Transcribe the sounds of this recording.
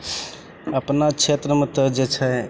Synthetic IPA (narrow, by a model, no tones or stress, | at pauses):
əpnat͡ʃʰet̪ɾəmet̪əd͡ʒet͡ʃʰɛ